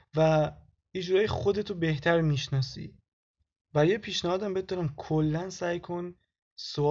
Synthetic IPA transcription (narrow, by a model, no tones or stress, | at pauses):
væ | id͡ʒuɾɒːjexod̪e̞t̪ʰobe̞ht̪ʰæɾmiːʃnɒːsḭː | væɾjepʰiːʃnæɒːd̪æmbet̪̚d̪ɒːɾæmkʰolːænsæjkʰo̞n | so